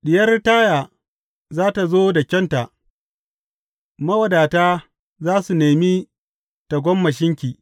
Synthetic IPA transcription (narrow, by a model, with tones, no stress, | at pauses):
ɗɪ˨jɐ˦rtaː˦jaː˨ | zaː˦ta˨zoː˦da˨kʲɛ˦nta˨ʔ | mɐ˦wɐ˨daː˨taː˦ | zaː˦su˨neː˨miː˦ | ta˨ɡʷɔ˦mːɐ˨ʃ̬ɪ˦ŋkʲiː˨